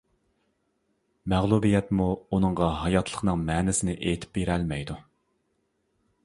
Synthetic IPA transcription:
mæʁlˠubijɛt̪muunɨŋʁɑɦɑjɑt̪ʰlˠə̥χnɨŋmɛːnɪsɪnɪʔet̪ʰɪ̥p̚beɾɛlmɛjd̪u

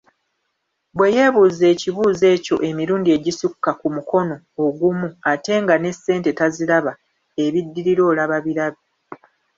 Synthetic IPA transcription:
bwe̞je̞βuːze̞ːciβuːze̞ːco̞̰ʔe̞miɾuːndie̞ɟisukːakumuko̞no̞ːɡumuate̞ŋɡane̞sːe̞ːnte̞taziɾaβa | e̞βidːiɾiɾo̞ːlaβaβiɾaβe

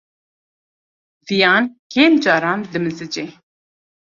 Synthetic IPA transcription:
zijɑːnkeːmd͡ʒɑːɾɑːnd̪ɨmɨzɨd͡ʒe

